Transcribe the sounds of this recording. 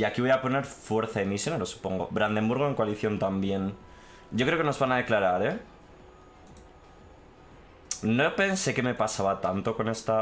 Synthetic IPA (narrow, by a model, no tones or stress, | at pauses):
iakiβo̞japo̞ne̞ɾfwe̞ɾθaemisjo̞neɾo̞su̥po̞ŋɡo̞̰βɾand̪e̞mbuɾɣo̞e̞ŋkwaliθjo̞nt̪ambje̞n | ɟ͡ʝo̞kɾe̞okeno̞zβanaðe̞klaɾaɾe̞ | no̞pe̞nse̞ke̞me̞pasaβat̪ant̪o̞ko̞ne̞st̪a